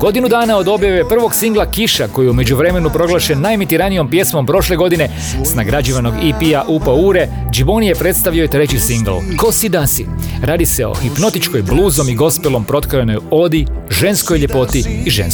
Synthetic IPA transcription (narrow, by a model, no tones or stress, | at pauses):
ɡ̥o̞d̪inud̪aːnao̞d̪o̞bjaʋe̞pr̩ʋo̞ɡsiŋɡlˠakiʃako̞jiume̞d͡ʑuʋɾe̞me̞nupɾo̞ɡlˠaʃenːajemit̪iɾanijo̞mpje̞smo̞mpɾo̞ʃle̞ɡo̞d̪ine̞ | snaɡɾad͡ʒiʋano̞ɡipiaʔupauːɾe̞ | d͡ʒibo̞nije̞pɾe̞t̪st̪aʋijo̞it̪ɾe̞t͡ɕisiŋɡ̰lˠko̞sid̪asiɾaːd̪ise̞o̞̰xipno̞t̪it͡ʃko̞jblˠuːzo̞miɡo̞spelˠo̞mpɾo̞t̪kojeno̞jo̞d̪iʒe̞nsko̞jʎe̞po̞t̪iːʒḛns